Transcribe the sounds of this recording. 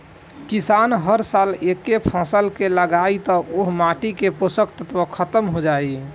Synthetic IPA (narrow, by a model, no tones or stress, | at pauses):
kisanɦəɾsalekːepʰãsəlkeləɡait̪ɔʔoɦmaʈikeposəkt̪ət̪ʋəkʰət̪əmɦod͡ʒai